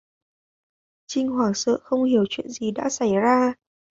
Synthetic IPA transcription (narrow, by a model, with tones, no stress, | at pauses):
t͡ɕï˧ŋ̟hwaː˨˩ŋsə̰ː˧˨xə˧wŋ͡mhi˧˩əwt͡ɕwḭ˧˨ənzi˨˩ɗa̰ː˧˥sa˧˩jzaː˧